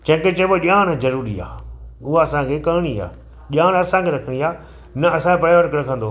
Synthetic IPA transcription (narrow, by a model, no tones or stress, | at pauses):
t͡ɕɐ̃ɦɪ̃ŋket͡ɕɐboʄaːɽ̃zɐɾuːɾia̰ːʊɦaɐsãkʰekɐɦɽ̃ia̰ː | ʄaːɽ̃ɐsãkʰeɾɐkʰəɽ̃iaː | nɐɐsãkepɐɽeʋɐɾkɾɐkʰə̃nd̪oː